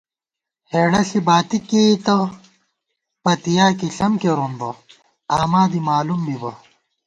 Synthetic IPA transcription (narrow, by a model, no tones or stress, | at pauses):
heːɽɐɬibaːt̪ikeːt̪ɐ | pɐt̪ijaːkiɬɐmkeɾonbɐ | aːmaːd̪imaːlumbibɐ